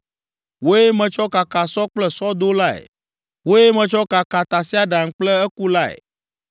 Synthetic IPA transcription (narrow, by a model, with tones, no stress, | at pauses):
wo˦je˦mɛ̃˨t͡ʃɔ˦ka˨ka˨sɔ˦k͡plɛ˦sɔ˦d̪o˦la˦ḛ˨ | wo˦je˦mɛ̃˨t͡ʃɔ˦ka˨ka˨t̪a˨si˦a˦ɖa˨ŋ̩˦k͡plɛ˦ɛ˦ku˦la˦ḛ˨